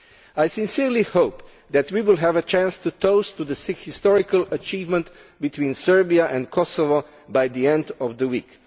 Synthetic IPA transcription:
ajsɪ̃nsiɹlihoʊp | d̪ɛt̪wiwɪlˠɦɛvət͡ʃæ̃nst̪ut̪oʊst̪ud̪əshɪst̪ɔɹɪkəlɐt͡ʃiːvmə̃nt̪ | bit̪ʰwĩːnsɜ˞biaʔɛ̃ndkʰɔsɔvo | bajd̪iɛ̃nd̪ɔvd̪əwḭːk

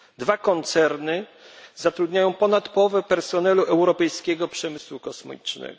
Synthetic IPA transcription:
d̪vakɔnt̪sɛɾnɘ | zat̪ɾud̪ɲajɔ̃w̃pɔnat̪pɔɔvɛpɛɾsɔnɛluʔɛwɾɔpɛjskʲɛɡɔpʂɛmɘswukɔsm̰it͡ʂnɛ̰ɡɔ

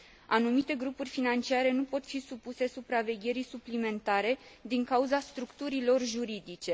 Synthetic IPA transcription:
anumit̪e̞ɡɾupurʲfinant͡ʃiaɾe̞nupo̞t̪fisupuse̞supɾave̞ɡʲe̞ɾijsuplime̞nt̪aɾe̞d̪iŋkauzast̪ɾukt̪uɾilo̞rʒuɾid̪it͡ʃe̞

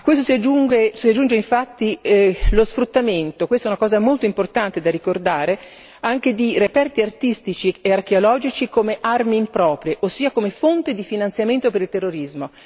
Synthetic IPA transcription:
kːwes̬t̪osiad͡ʒuŋɡesiad͡ʒːund͡ʒeiɱfat̪ːilosfɾut̪ːament̪okwest̪oɛunakɔːzamolt̪oimport̪ant̪ed̪arikord̪aːɾe | aŋk̟ed̪irepɛrt̪iart̪ist̪it͡ʃieark̟eolɔːd͡ʒit͡ʃikomeʔarmiːmpɾɔːpɾjeʔosːiːakomefont̪id̪ifinant̪sjament̪opeɾilt̪erːoɾizmo

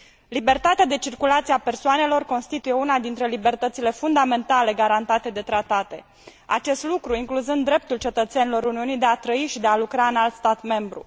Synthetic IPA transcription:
libe̞rt̪at̪ead̪e̞t͡ʃirkulat̪sieape̞rsoane̞lo̞rko̞nst̪it̪uje̞unad̪int̪ɾe̞libe̞rt̪ət̪sile̞fund̪ame̞nt̪ale̞ɡaɾant̪at̪e̞d̪e̞t̪ɾat̪at̪e̞̰ | a̰t͡ʃe̞st̪lukɾuiŋkluzɨnd̪ːɾe̞p̚t̪ult͡ʃe̞t̪ət̪se̞nilo̞ɾuniunijd̪e̞at̪ɾəiʃid̪ealukɾaɨnalt̪st̪at̪me̞mbɾṵ

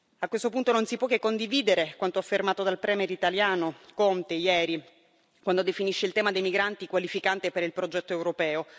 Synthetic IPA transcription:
akwest̪op̬unt̪ononsipwɔkːekːond̪iviːd̪eɾekwant̪oafːermaːt̪od̪alpɾɛːmeɾit̪aljaːnokont̪ejɛːɾi | kwand̪od̪efiniʃːeilt̪ɛːmad̪ejmiɡɾant̪ikwalifikant̪epeɾilpɾod͡ʒɛt̪ːoewɾopɛːo

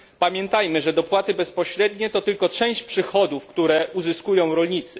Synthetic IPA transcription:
pamʲjɛnt̪ajmɘʐɛd̪ɔpwat̪ɘbɛspɔɕɾɛd̪ɲɛt̪ɔt̪ɘlkɔt͡ʂɛ̃w̃ɕt͡ɕpʂɘxɔd̪ufkt̪uɾɛuzɘskujɔ̃w̃ɾɔlɲit̪sɘ

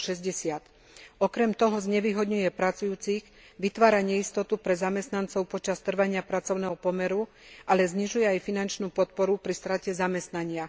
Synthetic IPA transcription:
ʃɛzɟɛsɪat̪ | ɔkɾɛmt̪ɔɦɔzɲɛʋiːɦɔd̪ɲujɛpɾat͡sujuːt͡siɣ | ʋit̪ʋaːɾaɲɛist̪ɔt̪upɾɛzamɛst̪nant͡sɔʊpɔt͡ʃast̪r̩ʋaɲɪapɾat͡sɔʊnɛɦɔpɔmɛɾu | ʔalɛzɲiʒujɛajfinant͡ʃnuːpɔt̪̚pɔɾupɾist̪ɾacɛzamɛst̪naɲɪa

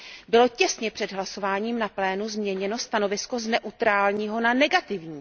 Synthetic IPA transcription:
bɪlo̞cɛsɲɛpr̝̥ɛdɦlaso̞vaːɲiːmnaplɛːnuzmɲɛɲɛno̞st̪ano̞vɪsko̞znɛʔut̪ɾaːlɲiːɦo̞nanɛɡat̪ɪvɲiː

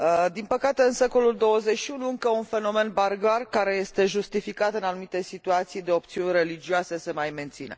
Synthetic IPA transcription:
d̪inpəkat̪e̞ɨnse̞ko̞luld̪o̞wəze̞t͡ʃʃiunuɨŋkəunfe̞no̞me̞nbarɡarkaɾe̞je̞st̪e̞ʒust̪ifikat̪ɨnanumit̪e̞sit̪uat̪sijd̪e̞o̞pt̪siunʲre̞lid͡ʒioase̞se̞majment̪sinḛ

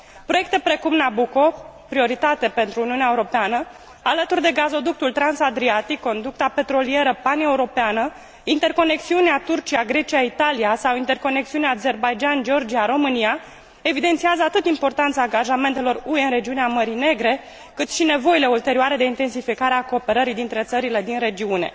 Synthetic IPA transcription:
pɾo̞je̞kt̪e̞pɾe̞kumnabuko̞pɾio̞ɾit̪at̪e̞pe̞nt̪ɾuːniuneaeuɾo̞peanə | alət̪urd̪e̞ɡazo̞d̪uk̚t̪ult̪ɾansad̪ɾiat̪ikːo̞nd̪uk̚t̪ape̞t̪ɾo̞lie̞ɾəpaneuɾo̞peanə | int̪e̞rko̞ne̞k̚siuneat̪urt͡ʃiaɡɾe̞t͡ʃijait̪alijasawint̪e̞rko̞ne̞k̚siuneaːze̞rbajd͡ʒand͡ʒeo̞rd͡ʒiaɾo̞mɨnija | evid̪e̞nt̪siazəat̪ɨt̪impo̞rt̪ant̪saːŋɡaʒame̞nt̪e̞lo̞rueɨnre̞d͡ʒiuneaməɾine̞ɡɾe̞ | kɨt̪ʃine̞vo̞ile̞ult̪e̞ɾiuaɾe̞d̪eint̪e̞nsifikaɾeako̞ːpe̞ɾəɾid̪int̪ɾe̞t̪səɾile̞d̪inɾe̞d͡ʒiune̞̰

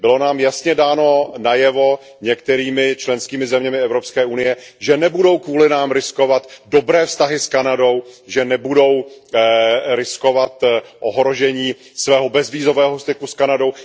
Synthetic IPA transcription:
bɪlo̞naːmjasɲɛdaːno̞najɛvo | ɲɛk̚t̪ɛɾiːmɪt͡ʃlɛnskiːmɪzɛmɲɛmɪɛvɾo̞pskɛːʔunɪjɛʒɛnɛbudo̞wkvuːlɪnaːmɾɪskovat̪dobɾɛːfst̪aɦɪskanado̞wʒɛnɛbudo̞w | ɾɪsko̞vat̪ʔoɦɾo̞ʒɛɲiː | svɛːɦobɛzviːzo̞vɛːɦost̪ɪkuskanado̞w

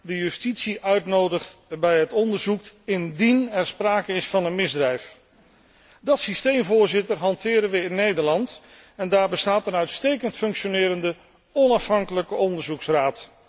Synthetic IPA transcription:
dəjɵstitsiʔœɥtnowdəχtbɛjɦətɔndəɹzukɪndinɛɹspraːkəɪsfɑnənmɪzdrɛjf | dɑtsistejmvʊːɹzɪtəɹɦɑntɪːɾənʋəɪnːejdəɹlɑnt | ɛndaːɹbəstaːtənœɥtstejkəntfɵŋkʃonɪːɾəndə | ɔnɑfɦɑŋkələkəʔɔndəɹzuksraːt

